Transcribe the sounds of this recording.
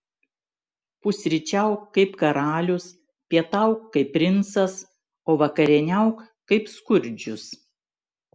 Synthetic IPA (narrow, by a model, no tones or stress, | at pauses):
pʊsʲɾʲɪt͡ʃʲɛʊkkːɐɪpkɐɾɑːlʲʊs | pʲiɛt̪ɐˑʊkːɐɪpʲːɾʲɪnsɐs | oːʋɐkɐɾʲɛnʲɛʊk | kɐɪpskʊɾʲˑd͡ʒʲʊs